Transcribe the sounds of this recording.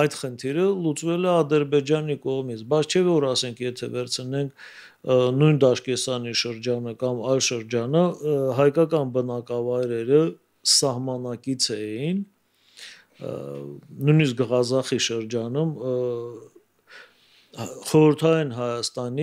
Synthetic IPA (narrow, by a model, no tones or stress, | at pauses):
ɑjd̪χənt̪ʰiɾəlut͡svɛlɛɑd̪əɾbɛd͡ʒɑnikɔʁmit͡sʰbɑt͡sʰt͡ʃʰɛvɔɾɑsɛŋkʰjɛt̪ʰɛvɛɾt͡sʰənɛŋkʰ | nujnd̪ɑʃkɛsɑniʃəɾd͡ʒɑnəkɑmɑjlʃəɾd͡ʒɑnəɦɑjkɑkɑnbənɑkɑvɑjɾɛɾə | sɑhmɑnɑkit͡sʰɛjin | nujnisk̚ɡəʁɑzɑχiʃəɾd͡ʒɑnum | χɔɾəɾt̪ʰɑinɦɑjɑst̪ɑni